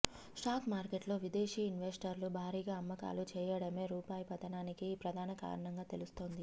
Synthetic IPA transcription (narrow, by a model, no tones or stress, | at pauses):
ʂʈaːkmaːɾkeʈlo̞ːʋid̪eːʂiːinʋesʈɐɾlubʱaːɾiːɡaːɐmːɐka̰ːlut͡ʃɛːjɐɽɐme̞ːɾuːpaːjɐpɐt̪ɐnaːnikiːpɾɐd̪ʱaːnɐka̰ːɾɐɳɐŋɡaːt̪e̞lust̪o̞ːnd̪i